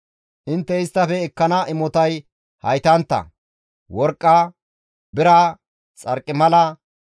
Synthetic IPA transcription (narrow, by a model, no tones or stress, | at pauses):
ʔɪnt̪ːɛɪst̪ːɐfɛːkːɐnɐʔɪmɔt̪ɐj | hɐ̰jt̪ɐnt̪ːɐ̰ | wɔɾkʼːɐ | bɪɾɐ | t͡sʼɐɾkʼːɪmɐlɐ